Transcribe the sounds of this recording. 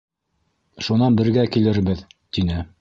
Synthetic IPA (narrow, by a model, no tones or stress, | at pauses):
ʃunɑnbɘ̆ɾɡækilɘɾbɘðt̪inɘ